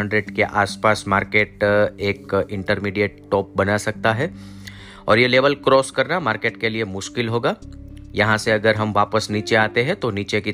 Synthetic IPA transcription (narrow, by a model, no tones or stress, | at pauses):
ɐ̃ɳɖɾeɖkeʔaːspaːsmaːɾkeːʈeːkɪ̃ɳʈəɾmiːɖijeːʈ̚ʈɔːp̚bɐnasɐk̚t̪aɦɛː | ɔ̰ːɾjeleːʋəlkɾɔːskɐɾnamaːɾkeːʈkeliemʊʃkɪlɦoːɡaːjɐɦãseɐɡəɾɦɐmʋaːpəsniːt͡ʃeaːt̪eɦɛ̃t̪oniːt͡ʃeki